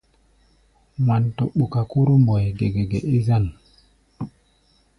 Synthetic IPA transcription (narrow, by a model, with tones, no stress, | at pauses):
ma˨nto˨ɓu˨ka˨ku˦ɾu˦mbɔ˨jɡe˨ɡe˨ɡe˨ʔi˦za˦˨n